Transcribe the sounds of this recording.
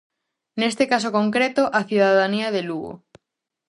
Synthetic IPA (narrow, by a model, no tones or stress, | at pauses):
nest̪ekas̬okoŋkɾet̪oʔaθjuðaðaniaðeluɣo̰